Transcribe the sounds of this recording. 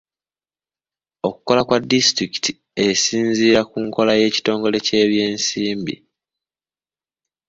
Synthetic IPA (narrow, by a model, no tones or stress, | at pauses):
o̞kuko̞lakwadːistɾiki̥ti | esiːnziːɾakuːŋko̞laje̞ːci̥to̞ːŋɡo̞le̞ce̞ːβje̞ːnsiːmbḭ